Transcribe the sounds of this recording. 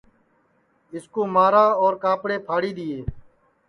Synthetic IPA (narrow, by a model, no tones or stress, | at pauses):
ɪskoːmaːɾaːoːɾkaːpɽeːpʰaːɽiːd̪ɪːeː